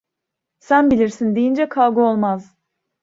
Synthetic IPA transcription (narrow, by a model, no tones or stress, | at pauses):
sænbilʲiɾsind̪ijind͡ʒɛkʰalˠɡuo̞lˠmaz̥